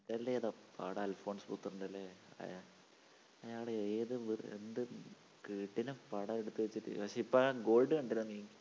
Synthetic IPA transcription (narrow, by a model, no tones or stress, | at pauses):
iðɐlːeːɐðapa̰ɽɐːlfo̞ːɳsbut̪ːɨrːuɳɖɐlːeɐ̰ja | ɐjaːɽeːðɨʋḛnd̪ɨ | kiːʈːinɨpɐɽɐeɽut̪ːɨʋet͡ɕːiʈːɨ̰pɐkʂeipːoaɡo̞ːlɖɨkɐɳɖiɾunnːi